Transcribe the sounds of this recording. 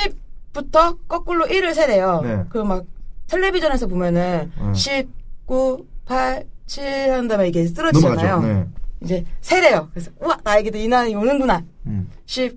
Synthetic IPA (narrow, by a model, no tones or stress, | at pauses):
ɕʰipp͈utʰʌk͈ʌk͈uɭːoʔiɾɯɭsʰeɾe̞jʌkɯʌmak̚tʰeɭːebid͡ʑʌne̞s̬ʰʌpomjʌnɯnɕʰip̚k͈upʰaɭt͡ɕʰihandamaiɡe̞s͈ɯɾʌanajoid͡ʑe̞sʰe̞ɾe̞jʌkɯesʰʌuanajeɡedoinaniɡeonɯnduna | ɕʰib̚